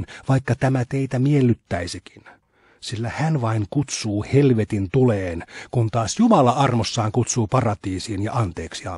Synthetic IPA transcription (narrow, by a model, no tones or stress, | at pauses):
nʋɑikːɑt̪æmæt̪eit̪æmielːyt̪ːæisiki̥n | silːæhænʋɑiŋkut̪suːhelʋet̪int̪uleːnkunt̪ɑːsjumɑlɑɑrmosːɑːŋkut̪suːpɑrɑt̪iːsiːnjɑ̰ʔɑnt̪eːksiɑ̰